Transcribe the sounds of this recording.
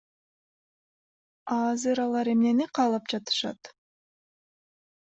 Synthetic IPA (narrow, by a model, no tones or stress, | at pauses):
ɑzɯɾɑlˠɑɾe̞mne̞niqʰɑːlˠɑp̚d͡ʒɑt̪ɯ̥ʃɑ̰t̪